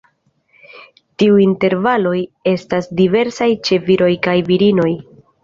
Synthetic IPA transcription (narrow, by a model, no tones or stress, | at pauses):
tiuinte̞ɾvalo̞je̞stasdive̞ɾsajt͡ʃe̞viɾo̞jkajviɾino̞j